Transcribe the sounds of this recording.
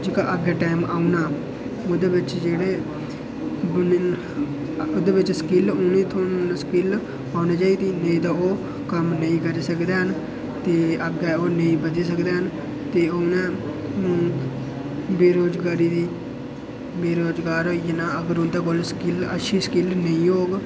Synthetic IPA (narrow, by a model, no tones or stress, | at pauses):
d͡ʒɪkaːʔəɡɛːʈaːɪmaːunaː | od̪eːbɪt͡ʃd͡ʒeːɽeː | bn | ʊd̪eːbɪt͡ʃsə̥kɪlʊnĩːt̪ʰoːnskɪl | aːnaːd͡ʒaːiːd̪iːnẽĩːd̪aːoː | kəmnəĩːkəɾiːsəkd̪eːɦən | t̪eːəɡɛːoːnəĩːbəd̪eːs̬əkd̪eːɦən | t̪eːoːnɛ̃ːũː | beːɾoːd͡ʒɡaːɾiːd̪iː | beːɾoːd͡ʒɡaːɾɦoːijenaːəɡəɾʊnd̪aːkoːlskɪlə̰ʃʰiːsə̥kɪlnəĩːɦoːɡ